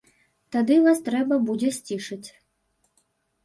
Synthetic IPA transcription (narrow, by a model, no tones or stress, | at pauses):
t̪ad̪ɨvast̪ɾɛbɐbud͡zʲɛsʲt͡sʲiʂɐt͡sʲ